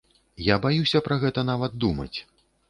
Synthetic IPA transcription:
jabajusʲɐpɾɐɣɛt̪ɐn̪avɐd̪̚d̪umɐ̰t͡sʲ

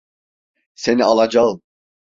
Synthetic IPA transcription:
senialˠad͡ʒa

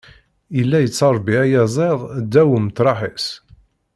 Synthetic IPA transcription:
ilːæjət͡sːɑɾˤbiæjæzˤeðˤd̪ːæwəmt̪ɾˤɑħis

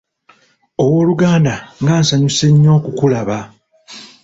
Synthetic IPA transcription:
o̞wo̞ːluɡaːndaŋɡaːnsaɲuse̞ɲːo̞ːkukulaβa

